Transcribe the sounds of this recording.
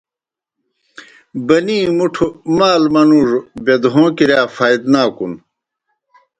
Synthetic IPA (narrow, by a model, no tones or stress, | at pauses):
bɐniːmuʈʰumaːlmɐnuːʐbed̪ɦõːkiɾjaːfaːid̪naːkun